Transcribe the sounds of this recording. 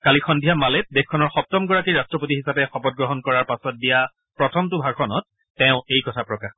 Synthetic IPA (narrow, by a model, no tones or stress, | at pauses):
kalixʰɔndʱijamalɛt̚dexkʰɔnɔɹxɔp̚tɔmɡɔɹakiɹastɹɔpotiɦisapɛxɔpɔd̚ɡɹɔɦɔnkɔɹaɹpasɔt̚dija | pɹɔtʰɔmtʊbʱaɹkʰɔnɔt̚ː | ɛʊ̃ejkɔtʰapɹɔkax